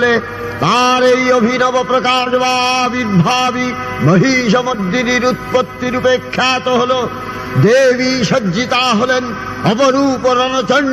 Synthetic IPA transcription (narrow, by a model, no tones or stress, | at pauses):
le | t̪aːɾeiobʱinɐbɐpɾɐkaːʃɐbaːbiɾbʱaːbi | mɐɦiːʃ̬ɐmɐd̪ːiniɾut̪̚pɐt̪ːiɾupeːkʰːjaːt̪oɦolo | d̪eːʋiːʃɐd͡ʒd͡ʒit̪aːɦolen | ɐpɐɾuːpoɾɐnɐt͡ʃɐɳ